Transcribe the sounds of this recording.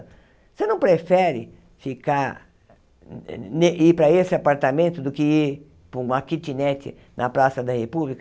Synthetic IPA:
senɐ̃w̃pɾefɛɾɪ̰ | fikaɾ | neʔipɾɐesɪapaɾt̪amẽnt̪ʊd̪ʊkɪiɾ | pʊũakit͡ʃ̪inɛt̪ɪ̰ | nɐpɾasɐd̪ɐhepublik

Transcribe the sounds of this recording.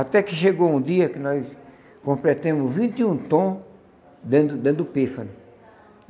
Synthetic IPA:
at̪ɛkɪʃeɡoũd̪iɐkɪnɔjs | kõmplɛt̪ẽmʊzvĩnt̪ɪũt̪õ | d̪ẽd̪ʊd̪ẽd̪ʊpefɐnʊ

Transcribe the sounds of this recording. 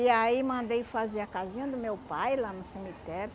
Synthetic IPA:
iaimɐ̃nd̪ejfaziɐkazĩɲɐd̪ʊmewpajlanʊsimit̪ɛɾʊ

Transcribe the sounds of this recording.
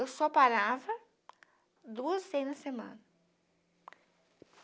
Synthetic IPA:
ewsɔpaɾavɐ | d̪uɐzsẽjnɐsemɐ̰̃nɐ

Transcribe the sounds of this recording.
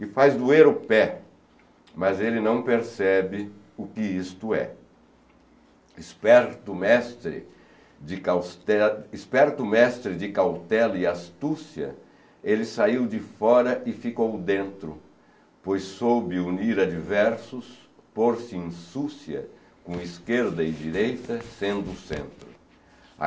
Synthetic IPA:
ɪfajzd̪ueɾʊpɛ | mɐzelɪnɐ̃w̃peɾsɛbɪ | ʊkɪist̪ʊɛ̰ | ɪspɛɾt̪ʊmɛst̪ɾɪ̰ | d͡ʒɪkawst̪ɛɪspɛɾt̪ʊmɛst̪ɾɪd͡ʒɪkawt̪ɛlɪast̪usiɐ̰ | elɪsaiwd͡ʒɪfɔɾɐʔɪfikowd̪ẽnt̪ɾʊ | pojsːobɪuniɾɐd͡ʒivɛɾsʊs | poɾsɪĩsusiɐ̰ | kõiskeɾd̪ɐɪd͡ʒiɾejt̪ɐsẽnd̪ʊʊsḛ̃nt̪ɾʊ̰

